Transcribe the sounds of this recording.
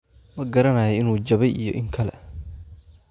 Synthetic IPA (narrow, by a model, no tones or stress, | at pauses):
mɐɡɐɾɐnaːjɛɪnuːd͡ʒɐβɛjʔijɔ̰ʔɪŋkʰɐlɛ̰